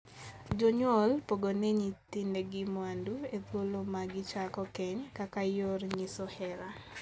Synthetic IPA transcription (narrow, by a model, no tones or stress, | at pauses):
d͡ʒɔɲwɔlpoɡoneɲit̪indeɡɪmwanduet̪wolomaɡɪt͡ʃakɔkɛɲkakajorɲisɔhɛɾa